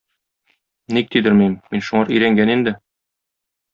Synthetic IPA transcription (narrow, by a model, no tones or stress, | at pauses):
nik̚t̪id̪ɘɾmimːinʃuɴɑɾɵ̆jɾæŋɡænind̪ɘ